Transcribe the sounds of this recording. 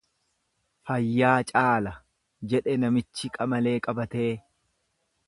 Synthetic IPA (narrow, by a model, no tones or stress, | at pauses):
fɐjːaːt͡ʃʼaːlɐ | d͡ʒɛᶑɛnɐmɪt͡ʃːɪkʼɐmɐle̞ːkʼɐbɐt̪e̞ː